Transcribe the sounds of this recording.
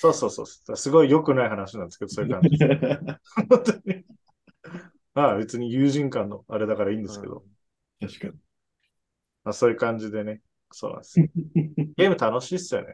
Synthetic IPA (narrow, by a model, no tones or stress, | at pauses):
so̞ːso̞ːso̞̰ːso̥d̪asɨɡo̞ijo̞kɯ̟naiɦanaɕiɲãnd̪esked̪osojɯ̟kãɲd͡ʑii | õnt̪oi | maːbe̞t͡sɨɲ̟ijɯːʑĩŋkãnːo̞aɾe̞d̪akaɾaiːnd̪esɨke̞̰d̪o̞̰ | t̪aɕka | maso̞ːjɯ̟kãɲ̟d͡ʑid̪e̞ne̞ | so̞̰ːnã̰nd̪esoɡe̞ːmɯ̟t̪ano̞ɕiːsɨjo̰ne